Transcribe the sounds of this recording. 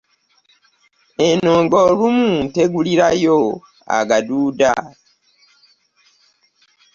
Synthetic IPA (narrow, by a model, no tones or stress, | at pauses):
enoːŋɡoːlumute̞ɡuliɾajo | a̰ɡaduːda̰